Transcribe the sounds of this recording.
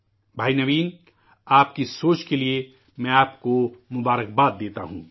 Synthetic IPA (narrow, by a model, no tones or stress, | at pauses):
bʱaːinɐʋiːn | aːp̚kisoːt͡ʃkelie | mɛ̃aːpkomʊbaːɾək̚baːd̪ːeːt̪a̰ɦṵ̃ː